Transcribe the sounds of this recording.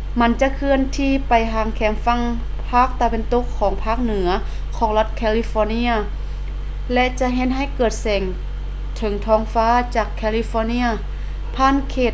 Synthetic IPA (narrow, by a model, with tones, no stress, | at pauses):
ma˧˥nt͡ɕa˧˨kʰɯ˧ənt̪ʰiː˧˩pa˨˩jɦaː˨˧˩ŋkʰɛː˨˩˦mfa˧˥˨ŋ | pʰaː˧˥˩k̚t̪a˧be˧˨nt̪o˧˥kʰːɔː˩˦ŋpʰaː˧˥˩k̚nɯ˨˩˦ɐ | kʰɔː˩˦ŋla˧˥t̪̚kʰɛː˧li˧˥fɔː˧ni˧˥ɐ | lɛ˧ʔt͡ɕa˧ɦe˧˥tn̚ɦa˧˩jkɤː˨˩t̪̚sɛː˨˩ŋ | t̪ʰɤ˩˦ŋt̪ʰɔː˧˥ŋfaː˧˥˨t͡ɕaː˧˩kʰːɛː˧li˧fɔː˧˥ni˧˥ɐ | pʰaː˧˥˨nkʰeː˧˩t̪̚